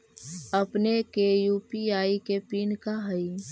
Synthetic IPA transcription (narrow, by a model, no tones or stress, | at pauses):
əpnekejuːpiaːikepiːnkaɦəi